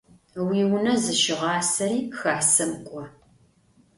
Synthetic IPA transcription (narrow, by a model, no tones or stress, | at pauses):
wiːwʊnɐzɨʃɪʁɑːsɐɾiːxaːħsɐmkʷʼɔ